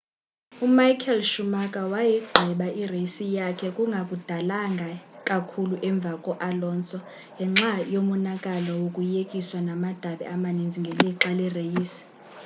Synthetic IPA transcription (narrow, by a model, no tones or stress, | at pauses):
umajkʰɛlʃumakʼawajɛɡ͡ǃʱɛɓaʔirejisijakʰɛkʼuŋɡʱakʼud̥ʱalaŋɡʱakʼakʰuluʔɛɱb̪vʱakʼɔʔalɔːnt͡sʼɔ | ŋʱɛŋ͡ǁajomunakʼalɔwokʼujekʼiswanamad̥ʱaɓɛ̰amanind͡zʱiŋɡʱɛleǁalɛrejiːsi̥